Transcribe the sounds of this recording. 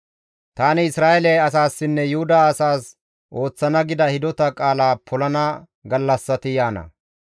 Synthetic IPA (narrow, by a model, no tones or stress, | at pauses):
t̪aːnɪɪsɾaːʔɛlɐjɐs̬aːsːɪnːɛjʊhʊd̪aːɐsaːs | ʔo̞ːt͡sːɐnɐɡɪd̪ɐhɪd̪ɔt̪ɐkʼaːlaːpʰɔlɐnɐ | ɡɐlːɐsːɐt̪ɪjaːnɐ̰